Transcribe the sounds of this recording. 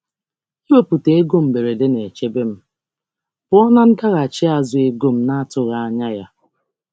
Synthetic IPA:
i˦we˦pu˨te˨˦e˦ɡo˦m̩˨be˨ɾe˨de˦ne˨t͡ʃe˦be˦m̩˦ | b̥ʊ˨˦ɔ˦na˦n̩˦da˦ɣa˨t͡ʃɪ˦a˨zʊ˨e˦ɡo˦m̩˦na˦a˦tʊ˨ɣa˦a˦ɲa˦ja˦

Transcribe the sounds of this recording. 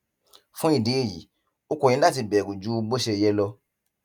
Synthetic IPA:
fũ˦i˦˨dĩ˨˦i˦˨jḭ˨˦ | o˧kõ˨ĩ˧˦la˦˨ti˧bɛ˨ku˨d͡ʒu˦˧ɡ͡bo˦ʃe˧jɛ˧lɔ˧

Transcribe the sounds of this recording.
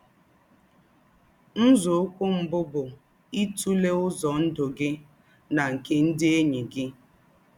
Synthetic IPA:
n̩˦zʊ˨˦kʷʊ˦m̩˨bʊ˦bʊ˨ | i˦tu˦le˦ʊ˦zɔ˨n̩˦dʊ˨ɡɪ˦ | na˨ŋ̩˨ke˦n̩˦dɪ˦e˦ɲi˨ɡɪ˦

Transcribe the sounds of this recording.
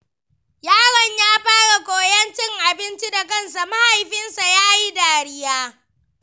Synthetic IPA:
jaː˦ɽɔ˨ɲjaː˦ɸaː˦ɽa˨kʷoː˨jɐ˦nt͡ʃɪ˦ŋʔa˨bɪ˦nt͡ʃi˦da˨kɐ˦nsa˨ma˦ha˨jɸɪ˦nsa˨ja˦ʔa˦jdaː˨ɽɪ˦jaː˦

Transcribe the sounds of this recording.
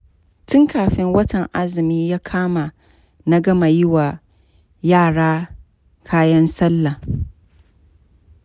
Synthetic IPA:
tʊ˦ŋkaː˨ɸɪ˦ŋwɐ˦tɐ˨ŋʔa˦zɪ˨miː˦jaː˦kʰaː˦ma˨ | na˦ɡɐ˦ma˨jɪ˦wa˨ | jaː˦˨ɽaː˦ | kʰaː˦jɐ˦nsɐ˦lːa˨

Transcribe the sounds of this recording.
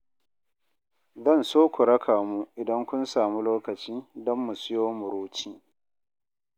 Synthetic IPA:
zɐ˦˨nsoː˦kʷʊ˨ɾɐ˦kʰaː˨mu˦ʔɪ˨dɐ˦ŋkʷʊ˦nsaː˨mu˦loː˦kɐ˨t͡ʃiː˦dɔ˦mːu˨sʊ˦joː˦mʊ˨ɾuː˦t͡ʃiː˦

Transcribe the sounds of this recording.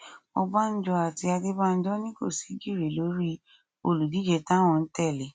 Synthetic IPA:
ɔ˧ba˦n̩˦d͡ʒɔ˧a˨ti˧a˧ɡe˦ba˦n̩˦d͡ʒɔ˦nĩ˦ɡo̰˦˨si˨˦ɡi˦˨ɾe˨lo˨˦ɾi˦ | o˧lu˨di˨˦d͡ʒɛ˧tã˦w̃ɔ̃˧n̩˦tɛ˦˨le˨˦

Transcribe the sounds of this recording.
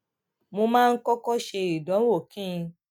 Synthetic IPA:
mo˧mãː˦˧n̩˦kɔ˦kɔ˦ʃe˧i˨dɔ̃˨˦wo˦˨kĩ˦˧

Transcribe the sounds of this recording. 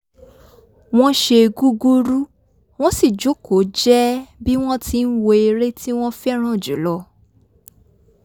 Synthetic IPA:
w̃ɔ̃˦ʃe˧ɡu˦ɡu˦ɾu˦ | w̃ɔ̃˦si˦˨d͡ʒo˨˦ko˨˦d͡ʒɛ˦bi˦w̃ɔ̃˦ti˧n̩˦wo˧e˧ɾe˦tʰi˦w̃ɔ̃˦fɛ˦ɾ̃ã˦˨d͡ʒu˨˦lɔ˧

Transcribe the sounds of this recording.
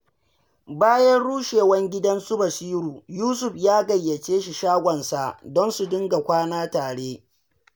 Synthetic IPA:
baː˦jɐ˦nɽuː˦ʃeː˨wɐ˦ŋɡʲɪ˦dɐ˦nsʊ˦bɐ˨siː˦ɾuː˨juː˦s̬ʊ˨ɸjaː˦ɡɐ˨jːɐ˨t͡ʃeː˦ʃi˨ʃaː˦ɡʷɔ˨nsa˨dɔ˦nsu˨dɪ˦ŋɡa˨kʷaː˦naː˦taː˨ɽeː˦

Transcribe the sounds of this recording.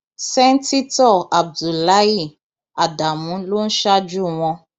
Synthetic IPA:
sɛ̃˦n˦ti˦tɔ˦˨a˨b̚du˨la˦ji˦˨ | a˨da˨mũ˨˦lo˦n̩˦ʃa˦d͡ʒu˦w̃ɔ̃˧

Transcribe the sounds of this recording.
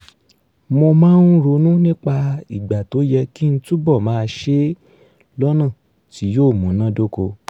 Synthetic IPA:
mõ˧mã˦n̩˦ɾo˧˦nũ˦nĩ˦k͡pa˧i˦˨ɡ͡ba˨to˨˦jɛ˧ki˦n̩˦tu˦bɔ˦˨mãː˦˧ʃe˦ | lɔ˦nã˦˨ | ti˨˦joː˦˨mũ˨˦nã˦do˦ko˧

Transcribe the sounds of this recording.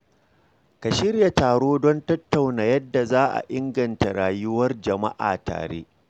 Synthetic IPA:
ka˨ʃɪ˦ɾja˨taː˨ɽoː˦dɔ˦ntɐ˦tːa˨wnaː˨jɐ˦dːa˨zaː˦ʔa̰˨ʔɪ˦ŋɡɐ˨nta˨ɽaː˨jʊ˦wɐ˦rd͡ʒɐ˨ma̰˦ʔa̰ː˨ta̰ː˨ɽḛ˦

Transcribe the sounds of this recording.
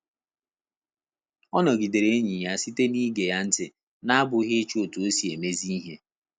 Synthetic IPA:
ɔ˦nɔ˨ɡi˨de˨ɾe˦ɲi˨ja˦˨si˦te˦ni˦ɡe˨ja˦n̩˦tɪ˨ | na˦a˦bʊ˨ɦɪ˦t͡ʃo˨tu˨o˦si˨e˨me˦zi˦ɦe˦

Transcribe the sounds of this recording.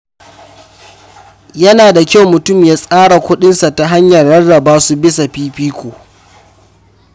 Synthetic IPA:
jɐ˦naː˨da˨kʲa˦wmʊ˨tʊ˦˨mjaː˦sʼaː˦ɽa˨kʷʊ˦ɗɪ˦nsa˨ta˦ɦa˦ɲjɐ˨rːɐ˦rːɐ˨baː˦su˦bɪ˦sa˨ɸiː˦ɸiː˦kʷoː˨

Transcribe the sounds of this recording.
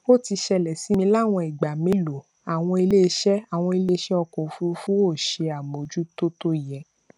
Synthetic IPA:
o˦˨ti˧ʃɛ˧lɛ˨si˨˦mĩ˧la˦˨w̃ɔ̃˧i˨ɡ͡ba˨mĩ˨˦lo˨ | a˨w̃ɔ̃˧i˧le˦˧˦ʃɛ˦a˨w̃ɔ̃˧i˧le˦˧˦ʃɛ˦ɔ˧kɔ̃˨fu˦fũ˦wo˦˨ʃe˧a˨mo˨d͡ʒu˦to˦to˦˨jɛ˨

